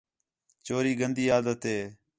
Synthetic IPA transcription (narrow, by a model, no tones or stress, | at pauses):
t͡ʃoːɾiːɡənd̪iːjaːd̪ət̪eː